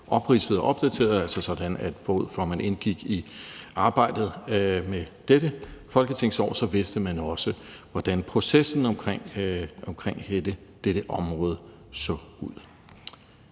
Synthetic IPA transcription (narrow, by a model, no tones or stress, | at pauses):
ʔɒ̽b̥ʁisəð̩ˠɒʔɒ̽b̥d̥æt͡sʰe̝̰ːɐð̩ˠælsɒsɒ̽d̥ænæd̥b̥ɔuð̰ˠfɒmæne̝nɡ̥iɡ̥iʔɑ̈ːb̥ɑ̈ɪ̰d̥ð̩ˠmed̥eɾəfɒ̽lɡ̥ət͡sʰe̝ŋ̰sɒ̰ːsɒ̽ʋe̝sd̥əmænɒ̽səʋɒd̥ænpʰʁo̝sesn̩ɒ̽mkʰʁeŋ̰ɒ̽mkʰʁeŋ̰edəd̥eɾ̥əʔɒ̽mʁɔ̽ːð̞ˠə | sɔ̰uð̰ˠ